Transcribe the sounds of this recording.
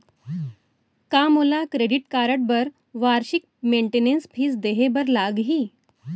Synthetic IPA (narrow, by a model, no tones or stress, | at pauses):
kamulakɾeɖiʈkaɾəʈ̚bəɾ | ʋaɾɕik̚ | meɳʈenenspʰiːsd̪eɦebəɾlaɡɦiː